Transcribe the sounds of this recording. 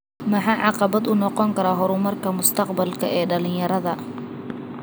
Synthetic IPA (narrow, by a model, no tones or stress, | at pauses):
mɐħɑːʕɑqɑβɐd̪ʊnɔqɔŋkʰɐɾaːɦʊɾʊmɐrkʰɐmʊst̪ʰɐqbɐlkʰɐʔɛːɖɐlɪɲjɐɾɐðɐ